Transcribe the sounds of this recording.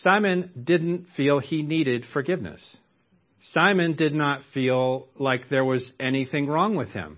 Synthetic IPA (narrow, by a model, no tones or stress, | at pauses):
sãɪmɨ̃ndɪdⁿn̩tfilˠiniɾɪd̥fə˞ɡɪvnɨ̰sː | ãɪ̃mɨ̃ndɨdⁿnətfilˠlaɪk̚ðə˞wʌzɛniθɪ̃ŋɹɔ̃ŋwɨð̥ɪ̰̃m